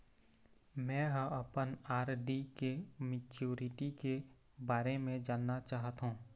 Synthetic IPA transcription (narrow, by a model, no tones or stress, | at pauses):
mɛ̃ːɦə̃əpənaːɾɖikemɪt͡ʃuːɾɪʈike | baːɾemẽd͡ʒaːnːat͡ʃaːɦət̪ɦũː